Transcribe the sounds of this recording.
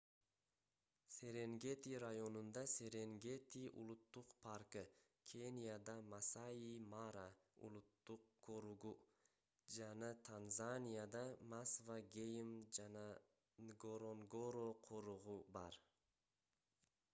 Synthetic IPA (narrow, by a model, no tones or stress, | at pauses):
seɾe̞ŋɡet̪iɾajo̞nund̪ɑse̞ɾeŋɡʲe̞t̪iʔṵlˠut̪ːuqpʰaɾkɯ | kʲʰenʲijad̪ɑmasajimaɾaṵlˠut̪ːuqkoɾuʁu | d͡ʒanɑt̪ʰanzanʲijad̪ɑmasvaɡʲejmd͡ʒanɑ | ɡoɾoŋɡoɾoqʰoɾuʁubɑ̰ɾ